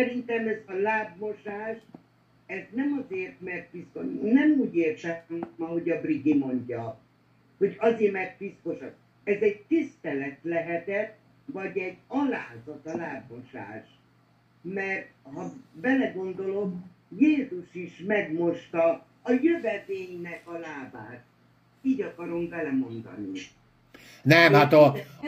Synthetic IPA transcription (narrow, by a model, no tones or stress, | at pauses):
sɛɾint̪ɛmɛzɒlaːbmo̞ʃaːʃ | ɛznɛmɒzeːrt̪mɛrt̪ʋiskonɛmuːɟeːrt̪ɛmɒɦo̞ɟɒbriɡimo̞ɲɟɒ | ho̞ɟɒzeːrmɛrt̪ʋisko̞ʃɒk | ɛzɛɟ̚t̪ist̪ɛlɛt̪lɛɦɛt̪ɛt̪ | vɒɟɛɟːɒlaːzɒt̪ɒlaːbːoʃa̰ːʃ | mɛrt̪hɒbɛlɛɡo̞nd̪o̞lo̞m | jeːzuʃiʃmɛɡmo̞ʃt̪ɒː | jøvɛveːjnɛkɒlaːbaːt̪̚ | iːɟɒkɒɾo̞mbɛlɛmo̞nd̪ɒ̰nḭ | nɛmhat̪